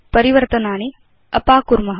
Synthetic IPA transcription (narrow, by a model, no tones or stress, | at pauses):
pɐɾiʋɐɾt̪ɐnaːɳi | ɐpaːkuɾmɐɦ